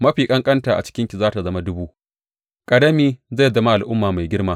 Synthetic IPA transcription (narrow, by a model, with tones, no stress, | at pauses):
mɐ˦ɸiː˨kʼɐ˦ŋkʼɐ˦ntaː˨ʔa̰˨t͡ʃɪ̥˦kʲɪ˦ŋkʲi˨zaː˦ta˨zɐ˦ma˦dʊ˦buː˦ʔ | kʼɐ˨dɐ˦miː˦za˦˨jzɐ˦ma˦ʔa˨lʔʊ˦mːaː˨ma˨jɡʲɪ˦rmaː˦